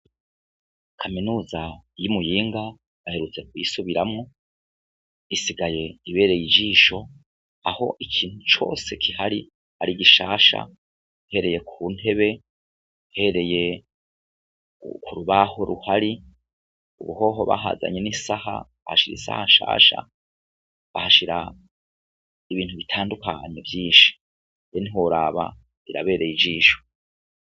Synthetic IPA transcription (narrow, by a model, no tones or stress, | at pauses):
kʰaminuːzajumujiːŋɡa | βahe̞ɾut͡se̞k̚wisuβiɾamŋo | isiɡaje̞iβe̞ːɾe̞jid͡ʒiːʃo̞ | aho̞̰ʔikʰiːnhut͡ʃo̞̰ːse̞kʰihaɾi | aɾiɡiʃaːʃa̰ | he̞ɾe̞je̞kʰuːn̥e̞βe̞ | he̞ɾe̞je̞ | kʰuɾuβaho̞ɾuhaɾi | uβuho̞ːɦo̞βa̰ɦa̰ːza̰ɲe̞nisaha̰βahaʃiɾḭsa̰haʃa̰ːʃa̰ | ahaʃiɾa | iβiːnthuβitʰaːndukaɲevjiːʃi̥ | jenihoɾaːβa̰ | iɾa̰βe̞ːɾejid͡ʒiːʃo̥